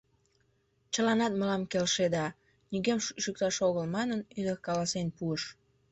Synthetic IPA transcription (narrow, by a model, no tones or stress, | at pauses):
t͡ɕəlɑnɑt̪̚məlɑmkelʃed̪ɑ | nyɣemʃyk̚t̪ɑʃoɣəlmɑnənyd̪əkɑlɑsenpuəʃ